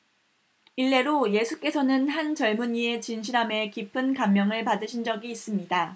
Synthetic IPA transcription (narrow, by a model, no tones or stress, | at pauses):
iɭːe̞ɾoje̞sʰuk͈e̞sʰʌnɯnɦant͡ɕʌɭmuɲie̞t͡ɕinɕʰiɾɦame̞kipʰɯnkamːjʌŋɯɭpadɯɕʰind͡ʑʌɡiːs͈ɯmɲida